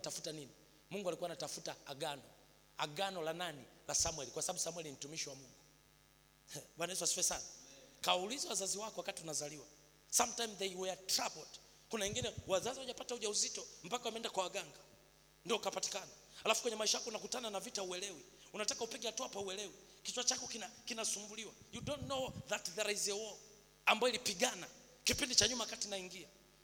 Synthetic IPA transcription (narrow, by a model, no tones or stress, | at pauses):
tafu̥tanini | muŋɡualikuanatafutaaɡanɔ | aɡanɔlananilasamwɛlikwasaɓaɓusamwɛlinim̩tumiʃiwamuŋɡu | ɓwanaiswasiwɛsanakawaulizawazaziwakɔwakatiunazaliwa | samtajmðɛwɛtɾapɔt | kunawɛŋɡinɛwazaziwaʄapatauʄauzitɔm̩pakawamɛndakwawaɡaŋɡa | ndiɔukapati̥kanaalafu̥kwɛɲɛmaiʃajakɔunakutananavitauwɛlɛwiunatakaupiɡɛhatuapauɛlɛwikit͡ʃwat͡ʃakɔknakinasumbuliwajudɔnːɔðatðɛɾahizɛwɔ | ambaɔilipiɡana | kipindit͡ʃaɲumaakatinaiŋɡia